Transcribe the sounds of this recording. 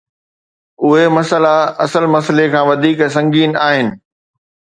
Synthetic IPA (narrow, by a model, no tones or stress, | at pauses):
ʊɦemɐsəlaɐsəlmɐslekʰãːʋɐd̪ʱiːksɐ̃ŋɡiːnaːɦɪnɪ̆